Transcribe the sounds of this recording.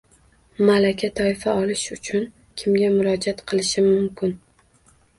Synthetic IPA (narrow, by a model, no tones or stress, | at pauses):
malakʲʰat̪ʰɒɪfaɒlˠɪʃʊt͡ʃʰʊn | kʲʰɪmɡʲamʊɾɒd͡ʒat̪qʰɨlˠɪʃɪmʊmkʲɪn